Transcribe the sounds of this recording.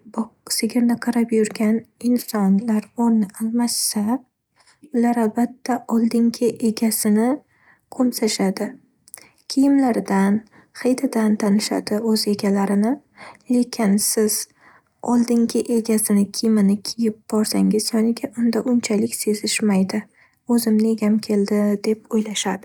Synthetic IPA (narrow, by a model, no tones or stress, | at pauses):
bsɪɡʲɪɾnɪqʰɨɾapjʊɾɡʲanɪnsɒnlaɾɒɾnɪʔalˠmasːa | ʊlaɾalbat̪ʰːaʔɒlˠd̪ɪŋɡʲɪʔe̞ɡʲasɪnɪ | qʰomsaʃad̪ɪ | kʲʰɪjɪmlaɾd̪an | χejd̪ad̪ant̪ʰanɪʃa̰d̪ɪɵze̞ɡʲalaɾɪnɪ | le̞kʲʰɪnsɪz̥ | ɒlˠd̪ɪŋɡʲɪʔe̞ɡʲasɪnɪkʲʰɪjmɪnɪkʲʰɪjɪp̚b̥ɒɾsaŋʲɪz̥j̪ɒnɪɡʲaʔʊnd̪aʔʊnt͡ʃʰalɪkʲse̞zɪʃmajd̪ɪ | ɵzɪmnɪeɡʲamkʲʰe̞ld̪ɪd̪e̞p̚ojlaʃad̪ɪ